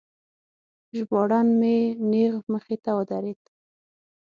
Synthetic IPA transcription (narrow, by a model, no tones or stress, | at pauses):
ʒbɑɽɑnmeneɣməxet̪awəd̪aɾet̪